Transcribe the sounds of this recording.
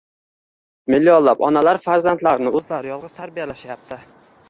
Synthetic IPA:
mɪlːiɒllːapɒ̰nalaɾfaɾzant̪laɾnɪɵzlaɾjɒlˠʁɨz̥t̪ʰaɾbijalaʃajap̚t̪ʰɪ

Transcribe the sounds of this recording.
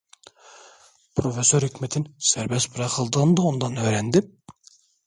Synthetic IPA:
pʰɾofesːoɾhykʲmet̪ʰɪnsæɾbɛst̪buɾɑqəlˠd̪əʁənd̪ɑond̪ɑnøjɾɛnd̪ɪ

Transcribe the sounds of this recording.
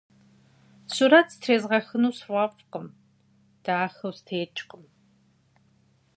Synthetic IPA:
suɾɐtʰtʰreːzʁɐxɨnuːswʷɐfqəm | d̥aːxɐwstʰeːt͡ʃʼqʼəm

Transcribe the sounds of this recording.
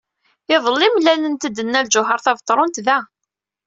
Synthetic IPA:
ɪðˤəlːimlælənt̪əd̪ːənːælʒʊɦəɾˤθɑvət̪ˤːɾˤʊnt̪væ

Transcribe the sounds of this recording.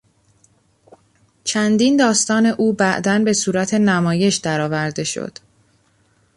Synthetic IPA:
t͡ʃʰænd̪ind̪ɒːst̪ɒːne̞ʔuːbæʔd̪ænbe̞suːɾæt̪ʰe̞næmɒːje̞ʃd̪æɾɒːvæɾd̪e̞ʃo̰d̪̥

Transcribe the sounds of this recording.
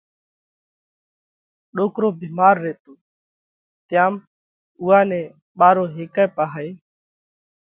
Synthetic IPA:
ɗoːkɾoːbiːmaːɾːeːt̪oː | t̪ɪjãːm | ʊːaːnɛ̃ː | ɓaːɾoːɦeːkaːpaːɦeː

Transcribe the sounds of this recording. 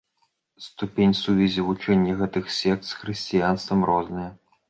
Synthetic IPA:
st̪upʲenʲsuvʲizʲivut͡ʂɛnʲjɐɣɛt̪ɨxsʲɛk̚t̪sxɾɨsʲt͡sʲijanst̪vɐmrɔznɨjɐ

